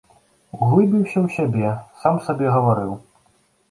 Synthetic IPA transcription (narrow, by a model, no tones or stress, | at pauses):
ɣlˠɨbʲiwsʲɐwsʲabʲɛsamsabʲɛɣɐvaɾɨw